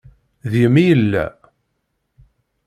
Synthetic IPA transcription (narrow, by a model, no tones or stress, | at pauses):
ðjəmijəlːæ̰